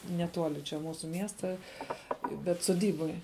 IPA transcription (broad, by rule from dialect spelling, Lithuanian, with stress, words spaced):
nʲɛˈtuɔlʲɪ t͡ʃʲɛ ˈmuːsʊ ˈmʲiɛstɐ bʲɛt sʊˈdʲiːboːj